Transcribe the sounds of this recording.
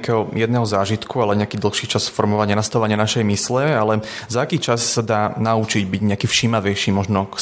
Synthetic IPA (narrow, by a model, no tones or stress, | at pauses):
kɛɦɔjɛd̪nɛːɦɔzaːʒit̪kualɛɲɛakiːd̪l̩ˠxʃiːt͡ʃasfɔɾmɔʋaɲɪanast̪aʊʋaɲɪanaʃɛjmislɛalɛzaːkiːt͡ʃassad̪aːnaut͡ʃiɟbiɟɲɛakiːfʃimaʋɛjʃiːmɔʒnɔk